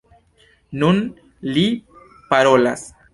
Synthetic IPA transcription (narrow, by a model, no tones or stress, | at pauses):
nun | li | paɾo̞las